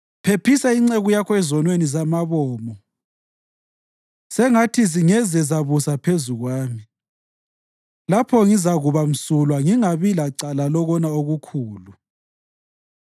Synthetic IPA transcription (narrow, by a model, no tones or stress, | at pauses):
pʰepʰisaiŋ͡ǀeɣujakʰɔɛzɔnwenizamaβɔːmɔ | sɛŋatʰiziŋɛzɛzaβusapʰezuɣwaːmi | lapʰɔŋizaɣuβam̩sulwaŋiŋaβilaǀalalɔɣɔnaoɣukʰuːlu